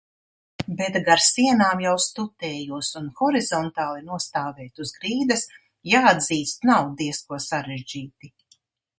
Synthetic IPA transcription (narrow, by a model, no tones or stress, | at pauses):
bɛt̪ɡaɾsiɛnaːmjawst̪ut̪ɛːjuɔsunxɔɾizɔnt̪aːlˠinuɔst̪aːvɛːt̪uzɡɾiːd̪ɐs | jaːad̪ziːst̪nawd̪iɛskuɔsaɾɛʒd͡ʒiːt̪i